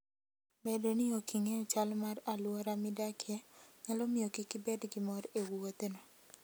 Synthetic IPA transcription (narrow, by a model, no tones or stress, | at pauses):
bedonɪokiŋeɔt͡ʃalmaralwɔɾamɪdakʰeɲalɔmɪjokikibɛdɡɪmɔɾewot̪enɔ